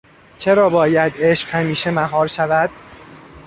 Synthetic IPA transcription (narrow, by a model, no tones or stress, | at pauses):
t͡ʃʰe̞ɾɒːbɒːjæd̪eʃqhæmiːʃe̞mæɦɒːɾʃævæd̪̥